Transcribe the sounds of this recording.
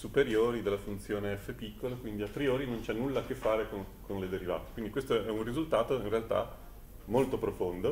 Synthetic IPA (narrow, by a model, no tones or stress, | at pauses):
supeɾjoːɾid̪elːafunt̪sjoːneɛfːepikːolokwind̪iapɾioːɾinont͡ʃɛnːulːakefːaːɾekonkonled̪eɾiva̰ːt̪e̥kwind̪ikwest̪oɛɛunrizult̪aːt̪oinrealt̪a̰ | molt̪opɾofond̪o